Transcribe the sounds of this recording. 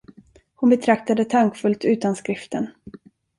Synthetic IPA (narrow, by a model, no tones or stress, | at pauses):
hʊnbɛt̪ʰɾak̚t̪ad̪ət̪ʰaŋkfɵlt̪ʉ̟ːt̪anskɾɪft̪ən